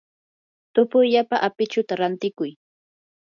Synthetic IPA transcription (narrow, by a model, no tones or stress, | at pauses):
t̪ʊpʊjʎapaʔapɪt͡ʃʊt̪aɾant̪ɪkʊj